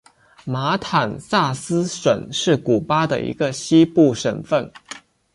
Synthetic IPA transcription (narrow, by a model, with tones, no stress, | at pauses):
ma˧˥t̪ʰa˨˩nsa˥˩sɹ̩˥ʂwə˨˩nʂɻ̩˥˩ku˨˩pa˥d̪ə̰˨ḭ˧˥ɡə˧ɕi˥pu˥˩ʂə˨˩nfə˥˩n